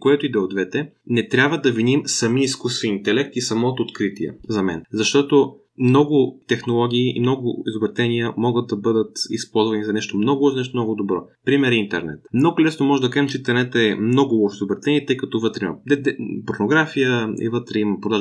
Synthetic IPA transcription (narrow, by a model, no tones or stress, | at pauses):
koɛt̪oid̪ɛod̪vɛt̪ɛ | nɛt̪ɾʲjabvəd̪ɐvinʲimsɐmiiskusviint̪ɛlɛk̚t̪isɐmɔt̪oːt̪kɾit̪iɛ̰zɐmɛ̰nzɐʃt̪ɔt̪o | mnɔɡʊt̪ɛxnolˠɔɡʲiːḭmnɔɡʊizobɾɛt̪ɛniəmɔɡət̪̚d̪ɐbɤd̪ət̪ḭspɔlˠzvɐnizɐnɛʃt̪omnɔɡʊɔʃnɛʃt̪omnɔɡʊd̪obɾɔpɾimɛɾint̪ɛ̰ɾnɛ̰t̪mnoɡʊlɛsnomɔʒɛd̪ɐkaʒɛmt͡ʃɛint̪ɛɾnɛt̪ɛmnɔɡʊɔʃizobɾɛt̪ɛniət̪ɤjkɐt̪ɔvɤt̪ɾimɐ̰d̪ɛd̪ɛpoɾnoɡɾafijəḭvɤt̪ɾɛimɐpɾod̪aʒ